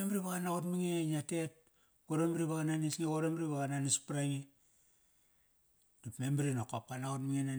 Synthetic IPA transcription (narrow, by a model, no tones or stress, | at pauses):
embɾiβaɣanaɣotmiŋeɲatet̚ | ɡoɾombɾiβaɣananisŋekoɾombɾiβaɣananispɾaŋe | dipmembɾinokop̚kanaɣotmiŋena